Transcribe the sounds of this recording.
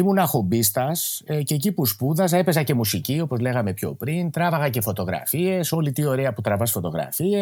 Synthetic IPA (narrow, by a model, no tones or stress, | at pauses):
imunɐxo̞bist̪ɐscecipuspuðɐse̞pe̞zɐce̞musicio̞po̞zle̞ɣɐme̞pço̞̰pɾint̪ɾɐvɐɣɐce̞fo̞t̪o̞ɣɾɐ̰fie̞so̞lit̪io̞ɾe̞ɐput̪ɾɐvɐsfo̞t̪o̞ɣɾɐ̰fie